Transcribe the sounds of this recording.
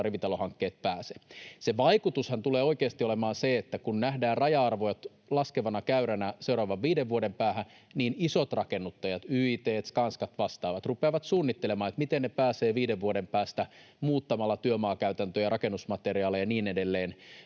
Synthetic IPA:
riʋit̪ɑlohɑŋkːeːt̪̚pæːse̥seʋɑikut̪ushɑnt̪uleːoikeːst̪iolemɑːnseet̪ːækunnæhdæːrrɑjɑɑrʋojɑt̪ | lɑskeʋɑnɑkæyɾænæseuɾɑːʋɑʋʋiːdeʋʋuodempæːhæ | niːnisot̪rɑkenːut̪ːɑjɑt̪yit̪eːt̪kɑnskɑt̪ʋɑst̪ɑːʋɑt̪rupeːʋɑt̪suːnːit̪ːelemɑːet̪mit̪ennepæːseːʋiːdeʋʋuodempæːst̪æ | muːt̪ːɑmɑlːɑt̪yømɑːkæyt̪ænt̪øːjɑrɑkenːusmɑt̪eɾiɑːlejɑniːnedelːeːn

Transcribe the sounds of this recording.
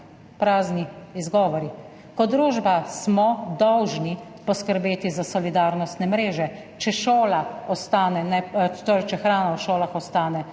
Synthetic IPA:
pɾaːzniizɡɔːʋɔɾi | kɔd̪ɾoːʒbasmɔd̪ɔwʒni | pɔskəɾbeːt̪izasɔlid̪aːɾnɔst̪nɛmɾeːʒɛ | t͡ʃɛʃoːlaɔst̪aːnɛnɛt̪oːɾɛt͡ʃɛxɾaːnawʃoːlaxɔst̪aːnɛ

